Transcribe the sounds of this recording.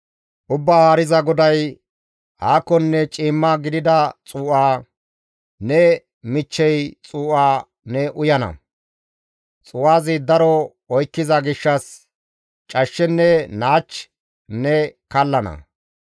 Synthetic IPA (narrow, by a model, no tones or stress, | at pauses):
ʔʊbːaːhaːɾɪzɐɡɔd̪ɐj | haːkːɔnːɛt͡ʃʼiːmːaɡɪd̪ɪd̪ɐt͡sʼuːʔaː | nɛ | mɪt͡ʃːɛjt͡sʼuːʔaː | nɛʔʊjɐnɐ̰ | t͡sʼʊːʔaːzɪd̪ɐɾɔ | ɔjkːɪzɐɡɪʃːɐs | t͡ʃʼɐʃːɛnːɛnaːt͡ʃː | nɛkɐlːɐnɐ̰